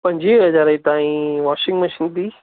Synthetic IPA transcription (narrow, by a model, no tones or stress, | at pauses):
pɐ̃ɲd͡ʑiɦɐzaːɾəit̪ãːĩʋaːʃɪ̃ŋɡmɐʃiːnt̪ʰiː